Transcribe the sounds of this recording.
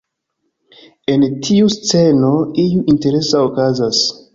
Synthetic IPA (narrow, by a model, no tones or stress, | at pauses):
e̞ntʰiust͡se̞no̞ijuʔinte̞ɾe̞saokazas